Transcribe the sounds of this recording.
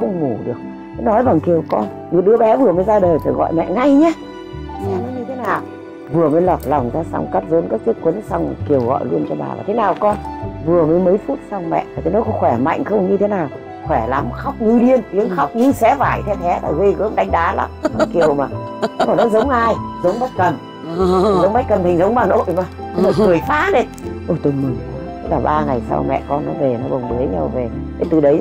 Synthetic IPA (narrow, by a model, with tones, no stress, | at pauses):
xə˧wŋ͡mmu˧˩ɗɨ˨˩ək̪̚ | ə˨˦nɔ˨˦jɓa˨˩ŋki˨˩əwkɔ˧n | ŋɨ˨˩əjɗɨ˨˧əɓɛ˨˦vɨ˨˩əməː˨˦jzaː˧ɗəː˨˩jt̪ʰə˧˩jɣɔ̰˧˨jmɛ̰˧˨ŋa˧jɲaː˨˧˦ | nɔ˨˦ɲɨ˧t̪ʰe˨˦naː˨˩w | vɨ˨˩əmə˨˦jlwɔː˨˩t̚la˨˩wŋ͡mzaː˧sa̰˧wŋ͡mka˦˥t̚zo˨˦nkaː˦˥k̚t͡ɕi˦˥ət̚kwə˨˦nsa˧wŋ͡mki˨˩əwɣɔ̰˧˨jlu˧ənt͡ɕɔ˧ɓa̰ː˨˩va̰ː˨˩t̪ʰe˨˦naː˨˩wkɔ˧nvɨ˨˩əməː˨˦jmə˨˦jfu˦˥t̚sa˧wŋ͡mmɛ̰˧˨vaː˨˩t̪ʰnɔ˨˦kɔ˨˧˦xwɛ˧˩ma̰˧˨jŋ̟xə˧wŋ͡mɲɨ˧t̪ʰe˨˦naː˨˩w | xwɛ˧˩la˨˦mxa˦˥wk͡p̚ŋɨ˧ɗi˧ənki˨˦əxa˦˥wk͡p̚ŋɨ˧sɛ˧˦˥vaː˧˩jt̪ʰɛ˧t̪ʰɛ˨˦ɗaː˨˩ɣə˧jɣə̰ː˧˦˥nɗa˧jŋ̟ɗaː˨˦la̰˧m˦ɔ˨˦ki˨˩əwmaː˨˩t͡ɕɨ˦˥maː˨˩nɔ˨˦zə˨˦wŋ͡mʔaː˧jzə˨˦wŋ͡mɓa˦˥t̚kə˨˩n˨ | zə˨˦wŋ͡mɓa˦˥t̚kə˨˩nt̪ʰa˨˩ŋzə˨˦wŋ͡mɓaː˧˩no̰˧˨jmaː˨˩˧laː˨˩kɨ˨˩əjfaː˨˦ne˧˩ | ʔo˧˩jt̪ɨ˨˩ŋmɨ˨˩ŋʰ | ə˦˥k̚laː˨˩ɓaː˧ŋa˨˩jsa̰˧wmɛ̰˧˨kɔ˧nːɔ˨˦ve˨˩nɔ˨˦ɓə˨˩wŋ͡mɗɨ˨˦ə˦ɲa̰˧wve˨˩kʰə˨˦jt̪ɨ˨˩ɗə˨˦j